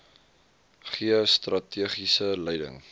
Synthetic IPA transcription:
χiəstrɐtʰiəχisəlɛjdə̰ŋ

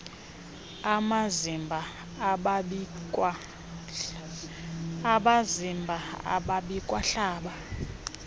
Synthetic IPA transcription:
amazimbʱa | kw | aɓazimbʱaa̰ɓaɓikʼwaɬaːɓa

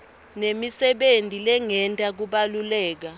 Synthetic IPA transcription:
nemisɛɓentʼilɛŋɛntʼak̬uɓalulɛːk̬a

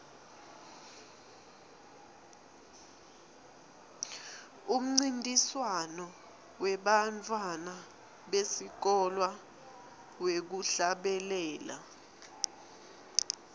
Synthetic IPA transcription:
um̩ŋ͡ǀintʼiswanɔ | wɛɓantʰʼwana | ɓesik̬ɔlwa | wek̬uɬaɓɛlɛːla̰

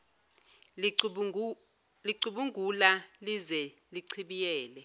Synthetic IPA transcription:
liǀuɓuŋɡʱulalizɛ | liǀʰiɓijɛːlɛ

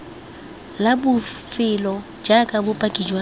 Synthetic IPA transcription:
labʊfɪlɔ | d͡ʒakʼabʊpʼakʼid͡ʒwa

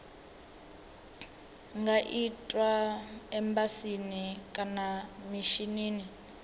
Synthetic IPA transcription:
ŋɡaʔitʼwaɛmbasinikʼanamiʃiniːni

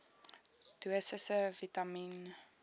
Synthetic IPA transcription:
ɡ̥əsəsəvitamin

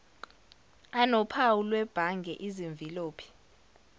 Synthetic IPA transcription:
anɔpʰawulwɛb̥ʱaŋɡʱɛʔiziɱb̪viloːpʰi̥

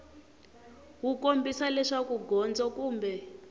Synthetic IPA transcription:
wukombisalɛʂakuɡʱɔnd͡zɔkuːmbɛ

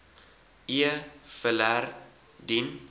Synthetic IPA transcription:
iəfəlær | din

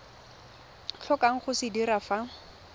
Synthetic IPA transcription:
ɬʰɔkaŋ̩χʊsɪdiɾafa

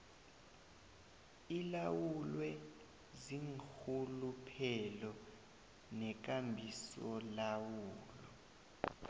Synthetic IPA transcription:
ilawulwɛ | ziŋxulupʰɛlɔ | nɛk̬ambʱisɔlawuːlɔ

